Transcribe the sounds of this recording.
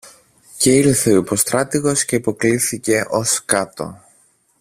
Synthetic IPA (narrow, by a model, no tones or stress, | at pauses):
ce̞iɾθeoipo̞st̪ɾɐt̪iɣo̞sce̞ipo̞kliθice̞ʔo̞skɐt̪o̞̰